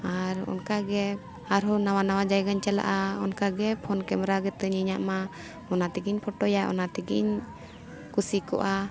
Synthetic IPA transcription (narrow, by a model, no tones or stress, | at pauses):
aɾɔ̰nkaɡɛ | aɾɦɔnawanawad͡ʒajɡaɲt͡ʃala̰ʔaɔnkaɡɛpʰɔnkɛmɾaɡɛt̪əɲiɲa̰ʔma | ɔnat̪ɛɡiɲpʰɔʈɔjaʔɔ̰nat̪ɛɡḭɲ | kusikɔ̰ʔa